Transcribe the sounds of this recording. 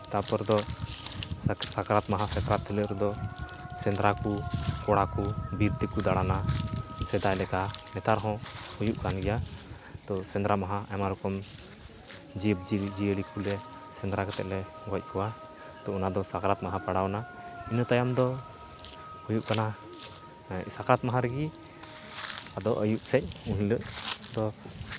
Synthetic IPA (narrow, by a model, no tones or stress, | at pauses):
t̪apɔɾd̪ɔ | sakaɾat̪maɦãsɛt̪ɾat̪ʰːɛləɾɛd̪ɔ | sɛnd̪ɾakukɔɽakubiɾt̪ikud̪aɽanasɛd̪ajlɛkamɛt̪aɾɦɔ̃hujuʔkanɡɛja | t̪ɔsɛnd̪ɾamaɦãɛmaɾɔkɔm | d͡ʒip̚d͡ʒid͡ʒiəɽikulɛ | sɛnd̪ɾakɔt̪ɛʔlɛ | ɡɔc̚ˀkɔwa | t̪ɔɔnad̪ɔsakɾat̪̚maɦãpaɽawna | inət̪ajamd̪ɔ | hujuʔkana | sakɾat̪̚maɦãɾɛɡi | ad̪ɔʔəjuʔsɛc̚ũɦĩləʔt̪ɔ